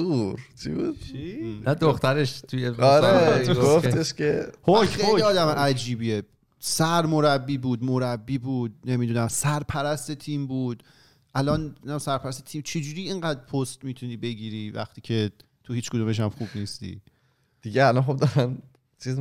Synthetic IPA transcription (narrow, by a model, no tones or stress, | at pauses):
uɾt͡ʃʰḭbud̪ʰinæd̪oxt̪æɾeʃt̪ʰujeɒɾeɡofeʃcehoeliɒːd̪æmʔæd͡ʒiːbiːe | sæɾmo̞ɾæbːiːbuːd̪moɾæbːiːbuːd̪̥̚ne̞mid̪unæmsæɾpʰæɾæst̪e̞t̪ʰiːmbuːd̪̥ | ʔælɒːnnæmsæɾpʰæɾæst̪et̪ʰiːmt͡ʃʰe̞d͡ʒuːɾiːeŋɢæːd̪pʰost̪miːt̪ʰuniːbe̞ɡiːɾivæ̰xt̪iːcʰe̞ | t̪ʰuhiːt͡ʃkʰod̪ume̞ʃ̬æmχuːbniːst̪ḭː | d̪̥iɟeælɒnxob̚d̪ɒɾæn | t͡ʃʰiz